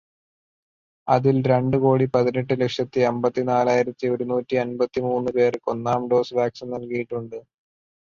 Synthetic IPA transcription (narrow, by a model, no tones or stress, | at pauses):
ɐðilɾe̞ɳɖɨko̞ːɽipɐðineʈːɨle̞kʂjɐt̪ːɨembɐt̪ːinaːlaːjiɾɐt̪ːio̞ɾunuːtːiɐnbɐt̪ːimuːnːɨpe̞ːrko̞nːaːmɖo̞ːsʋaːksinnɐlkɐjiʈːuɳɖɨ